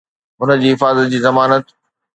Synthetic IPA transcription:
ʊnə̆d͡ʑiːɦɪfaːzət̪̚d͡ʑiːzɐmaːnət̪

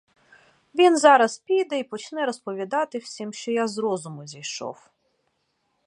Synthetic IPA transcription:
ʋʲinzɑɾɐspʲijd̪ɛipɔt͡ʃnɛɾɔspɔʋʲid̪ɑt̪ɪwsʲimʃt͡ʃɔjazɾɔzʊmʊzʲijʃɔ̰w

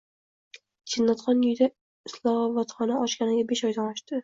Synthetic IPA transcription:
t͡ʃʰɪnːat̪χɒnjʊjd̪a | ɪslˠɒhɒvat̪χɒnaɒʃkʲanɪɡʲabeʃɒjd̪anɒʃt̪ɪ

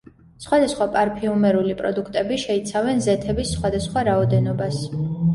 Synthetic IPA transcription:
sχwad̪asχwapʼaɾpʰiumɛɾulipʼɾɔ̰d̪ukʰt̪ʼɛbiʃɛit̪sʰavɛnzɛt̪ʰɛbisːχwad̪asχwaɾaɔd̪ɛnɔbas

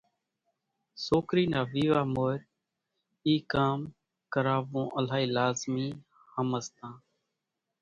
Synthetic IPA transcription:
soːkɾiːnaːʋiːʋaːmoːɪɾ | iːkaːm | kəɾaːʋõːʔəlaːiːlaːzmiː | həməst̪ãː

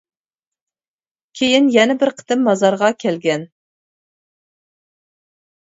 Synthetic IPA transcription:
kʲʰejinjɛnɛbɪɾqʰə̥t̪ʰɨmːɑzɑɾʁɑkʲʰɛlɡʲɛn

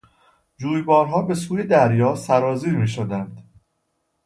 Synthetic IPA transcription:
d͡ʒuːjbɒːɾɦɒːbe̞suːje̞d̪æɾjɒːsæɾɒːziːɾmiːʃod̪ænd̪̥

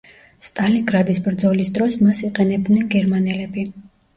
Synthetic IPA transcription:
st̪ʼaliŋɡɾad̪isbɾd̪zɔlisd̪ɾɔsmasiqʼɛnɛb̚d̪nɛnɡɛɾmanɛlɛbi

